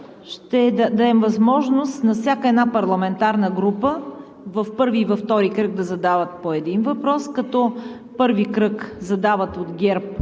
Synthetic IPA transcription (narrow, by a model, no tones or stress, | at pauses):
ʃt̪ɛd̪d̪ɐd̪ɛmvɐzmɔʒnost̪nɐfsʲjakəɛd̪napɐɾlˠɐmɛnt̪aɾnəɡɾupə | vɐfpɤɾvivɐft̪ɔɾikɾɤɡ̚d̪ɐzɐd̪avət̪̚poɛd̪invɐpɾɔskɐt̪ɔ | pɤɾvikɾɤkzɐd̪avət̪od̪ɡʲɛɾp̚